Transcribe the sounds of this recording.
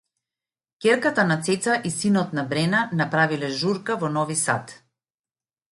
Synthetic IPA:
kʲɛɾkat̪anat̪sɛt̪saʔisinɔt̪nabɾɛnanapɾavilɛʒuɾkavɔnɔvisa̰t̪

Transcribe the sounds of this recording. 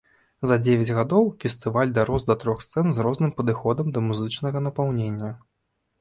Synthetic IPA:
zɐd͡zʲevʲɛd͡zʲɣad̪ɔwfʲɛst̪ɨvalʲd̪aɾɔzd̪ɐt̪ɾɔxst̪sɛnzɾɔznɨmpɐd̪ɨxɔd̪ɐmd̪ɐmuzɨt͡ʂnɐɣɐnɐpawnʲenʲːɐ

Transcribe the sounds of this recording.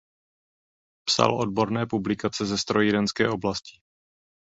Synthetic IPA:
psa̰lʔo̞d̚bo̞ɾnɛːpublɪkat͡sɛzɛst̪ɾojidɛnskɛːʔoblascɪ̥

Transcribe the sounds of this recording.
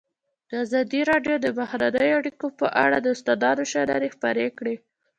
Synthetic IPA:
d̪̥əazɑd̪iɾɑɖjod̪əbahɾanəjoaɽikopəʔa̰ɽad̪əɪst̪ad̪ɑd̪oʃaɾa̰ɾexpaɾekɽe

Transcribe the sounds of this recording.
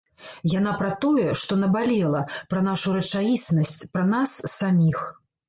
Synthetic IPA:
jan̪apɾɐt̪ɔjɛʂt̪ɔnɐbalʲɛlˠɐpɾɐn̪aʂuɾɐt͡ʂajisnɐsʲt͡sʲpɾɐnasːamʲix

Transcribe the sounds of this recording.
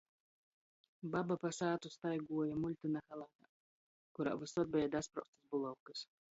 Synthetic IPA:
babapasaːt̪ust̪ajɡuɔjamulʲt̪ɨnaxalˠat̪a | kuɾa̰ːvɨsɔd̪̚bɛjad̪aspɾa̰wst̪asbulˠawkɨs

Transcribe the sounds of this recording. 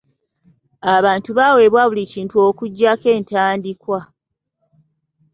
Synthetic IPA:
aβaːntuβaːwe̞ːβwaβuliciːntuo̞ːkuɟːake̞ːntaːndikwa

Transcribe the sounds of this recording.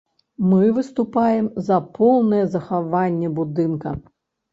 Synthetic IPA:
mɨvɨst̪upajɛmzɐpʰɔwnɐjɛzɐxavanʲːɛbud̪ɨnkɐ

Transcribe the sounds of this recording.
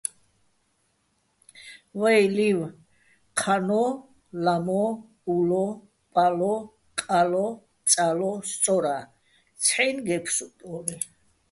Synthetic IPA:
wɛjliw | qʰanɔ | lamɔ | ulɔ | pʼalɔ | kʼalɔ | t͡sʼalɔst̪sʼɔɾa | t͡sʰħinɡɛpʰsut̪ʼɔli

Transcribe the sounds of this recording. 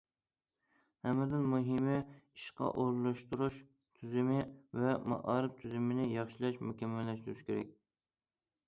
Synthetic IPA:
hæmɪɾd̪ɪnmuɦɪmɪiʃqʰɑ̰ʔoɾlˠɨʃt̪uɾuʃ | t̪ʰyzɪmɪvɛmɑ̰ʔɑːɾɨp̚t̪ʰyzɪmɪnɪjɑχʃɪlɛʃmukʲɛmːɛlːɛʃt̪uɾuʃkʲʰeɾɛ̰k̚ʲ

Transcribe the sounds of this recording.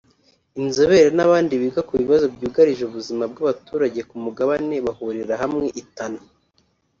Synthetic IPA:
inzoβe̞ɾenaβaːndiβiɡakuβiβazo̞bɟuːɡaɾiʒuβuzimabɡaβatuːɾaɟe̞kumuɡaβane̞βahuɾiɾaɦamŋe̞ʔitano

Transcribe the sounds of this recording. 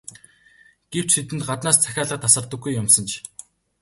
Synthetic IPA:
ɡ̥ew̥t͡ɕet̪̬ɘ̆nt̪̚ɢat̪naːst͡sʰæxʲaːɮə̆t̪ʰːasə̆rt̪ə̆ɡujːʊmsə̆nt͡ɕʰ

